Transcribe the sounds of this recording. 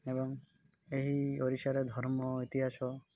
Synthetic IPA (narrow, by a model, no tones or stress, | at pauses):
ebɔŋ | eɦioɾisaɾed̪ʱɔɾmɔit̪iɦasɔ